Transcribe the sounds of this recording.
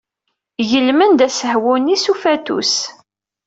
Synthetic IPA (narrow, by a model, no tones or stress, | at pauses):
ʝəlmənd̪æsəhwʊnisufæt̪ṵs